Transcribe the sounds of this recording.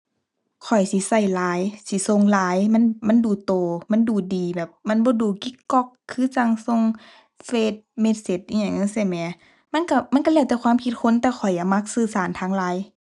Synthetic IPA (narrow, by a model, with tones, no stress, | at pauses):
kʰɔ˨˩jsi˧˦sa˧˩jlaː˨˦jsi˧˦so˧˨ŋlaː˨˧˦jma˧˥˨nma˧˥˨nduː˨˩t̪oː˨ma˧˥˨nduː˨˩diː˨bɛː˨˩p̚ma˧˥˨nbɔː˧˦duː˨˩ki˧˦kːɔ˧kʰːɯː˧˥˨sa˧˩ŋso˧˨ŋ | feː˧˩t̪̚me˧˥t̪̚se˧˩t̪̚ʔi˧˨ɲa˧˩ŋɤː˧˥˨sa˧˩˨mɛː˨˧˦ | ma˧˥˨nka˧˩ma˧˥˨nka˧lɛː˧˨wt̪ɛː˧˩kʰwaː˧˥˨mkʰi˧t̪̚kʰo˧˥˨nt̪ɛː˧˩xʰɔ˨˩jːa˨˧˩ma˧˥k̚sɯː˧˩saː˨˦nt̪ʰaː˧˥ŋlaː˨˦j